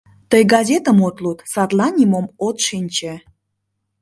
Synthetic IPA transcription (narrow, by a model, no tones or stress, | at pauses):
t̪əjɡɑzʲet̪əmot̪lut̪sɑt̪lɑnʲimomot̪ʃinʲt͡ɕe